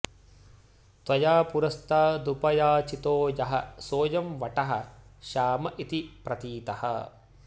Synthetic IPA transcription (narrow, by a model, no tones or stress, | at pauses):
t̪ʋɐjaːpuɾɐst̪aːd̪upɐjaːt͡ʃit̪oːjɐɦɐ̰soːjɐmʋɐʈɐɦɐ̰̆ʃaːmɐʔit̪ipɾɐt̪iːt̪ɐhɐ̰